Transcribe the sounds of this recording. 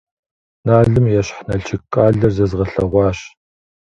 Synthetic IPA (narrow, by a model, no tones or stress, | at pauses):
naːɮɨmjɛɕħnɐɬʰɪkʼaːɮɐrzɐzʁɐɬɐʁʷɑːɕ